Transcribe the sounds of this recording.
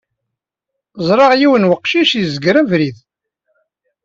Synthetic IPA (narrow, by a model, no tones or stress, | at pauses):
zˤɾˤɑʁjiwənwəqːʃiʃjzəɡɾævɾið